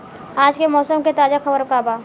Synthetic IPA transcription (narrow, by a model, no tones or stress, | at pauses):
aːd͡ʒkemɔːsəmket̪aːd͡ʒaxɐbəɾkaːbaː